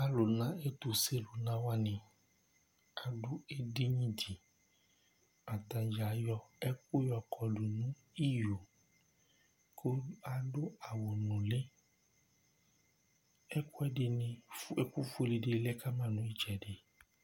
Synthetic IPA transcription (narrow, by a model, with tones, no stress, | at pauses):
a˦lʊ˨nã˦e˦tu˨se˦lʊ˨nã˦wa˦nĩ˨ | a˨dʊ˦e˦de˦ɲĩ˦di˨ | ma˨t̪ã˨d͡ʒa˨˦jɔ˧ɛ˦k̚u˦jɔ˨kʰɔ˨du˨nũ˦ | i˦jo˨ | kʰo˦a˨dʊ˦a˨wo˨nũ˨le˦ | ɛ˦kʊ˦ɛ˦de˨nĩ˨e˦ku˦fo˦˧li˨de˧˦lɛ˦ka˦mã˦˨nũ˨˦i˦t͡ʃɛ˨de˨